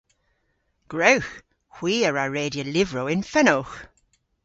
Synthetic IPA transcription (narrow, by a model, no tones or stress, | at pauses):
ɡ̥ɹowx | hw̥iːəɹaɹeːdjəlɪvɹowɪnfɛnolx